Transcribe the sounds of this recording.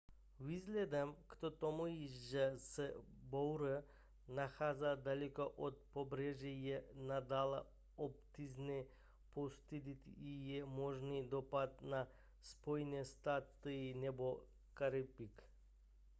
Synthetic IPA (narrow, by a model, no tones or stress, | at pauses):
vizlɛd̪amkt̪ot̪omuiʒəsəbowɾə | naxazad̪alikoʔot̪̚pobɾɛʒijɛnad̪alˠa̰ | op̚t̪izne | post̪id̪it̪ijɛmoʒnid̪opat̪̚na | spojnest̪at̪əinɛbo | kaɾipik